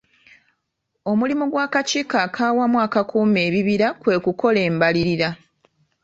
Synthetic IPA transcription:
o̞mulimuɡwaːkaciːkaːkʰaːwamwaːkakʰuːme̞ːβiβiɾakwe̞ːkuko̞le̞ːmbaliɾiɾa

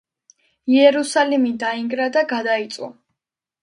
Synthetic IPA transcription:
iɛɾusalimid̪aiŋɡɾad̪aɡad̪ait̪sʼwɔ̰

